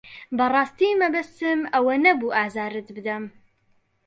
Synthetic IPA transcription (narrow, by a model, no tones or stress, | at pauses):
bɐrˤɑːst̪imɐbɐst̪ɨmɐwɐnɐbuːʔaːzaːɾɨt̪bɨd̪ɐm